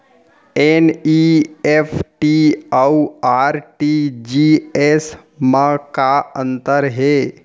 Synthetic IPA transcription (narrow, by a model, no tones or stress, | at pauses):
eːniepʰʈiauaːɾʈid͡ʒies | mãkaə̃nt̪əɾɦeː